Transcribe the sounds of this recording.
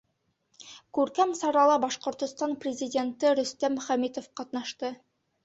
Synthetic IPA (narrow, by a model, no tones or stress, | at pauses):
kʉɾkæmsɑɾɑlˠɤbɑʃqŏɾt̪ŏst̪ɑnprʲɪzʲidʲe̞nt̪ɘɾɵ̆st̪æmɵχæmet̪ofqɑt̪nɑʃt̪ɤ